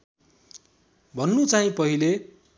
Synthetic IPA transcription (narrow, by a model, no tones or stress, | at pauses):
bʱʌnːut͡saĩpʌɦile